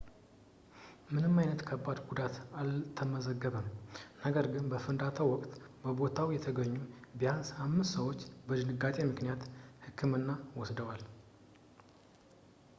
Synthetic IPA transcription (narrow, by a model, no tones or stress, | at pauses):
mɨnɨmːajnət̪kʰəbːad̪ɡud̪at̪alt̪ʰəməzəɡːəβəmnəɡəɾɡɨnbəfɨnd̪at̪ʰəwɔkʼt̪bəbo̞t̪ʰawjɛt̪ʰəɡəɲːubijanshamːɨst̪səwo̞t͡ʃːbəd̪ɨnɨɡat̪ʼemɨknijat̪hɨkʰːɨmɨnːawɔsd̪əwal